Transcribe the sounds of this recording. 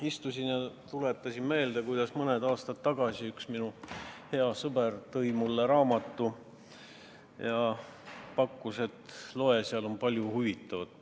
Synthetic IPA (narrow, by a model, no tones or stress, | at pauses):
ist̪usʲinjɑt̪ulet̪ːˑɑsʲinme̞ːld̪ɑkujd̪̥ɑsmɤned̪ɑːst̪ɑt̪ːɑɡ̥ɑsiyksminuhe̞ɑsɤbe̞rt̪ɤjmulːeɾɑːmɑt̪ːˑu | jɑ | pɑkˑːuse̞t̪ːlo̞e̞siɑlo̞npɑlʲjuhuvit̪ːˑɑvɑd̪̥